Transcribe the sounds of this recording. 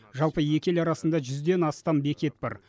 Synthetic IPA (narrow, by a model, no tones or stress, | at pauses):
ʒɑlˠpəje̞kʲe̞lɑɾɑsənd̪ɑʒʏzd̪e̞nɑst̪ɑmbe̞kʲe̞t̪̚bɑ̰ɾ